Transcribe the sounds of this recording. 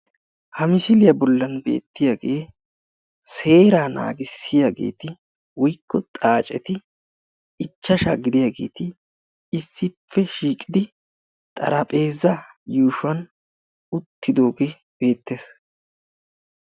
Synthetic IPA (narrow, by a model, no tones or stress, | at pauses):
hɐmɪsɪlɪjɐbɔlːɐnbe̞̰ːt̪ːɪjaːɡe̞ː | se̞ːɾaːna̰ːɡɪsːɪjaːɡe̞̰ːt̪ɪ | wɔjkːɔt̪ʼaːt͡ʃʼɛt̪ɪ | ɪt͡ʃːɐʃaːɡɪd̪ɪjaːɡe̞̰ːt̪ɪ | ɪsːɪpːɛʃiːkʼɪd̪ɪ | t̪ʼɐ̰ɾɐpʼe̞ːzːɐ | juːʃʊɐn | ʊt̪ːɪd̪o̞ːɡe | b̥e̞ːt̪ːeːs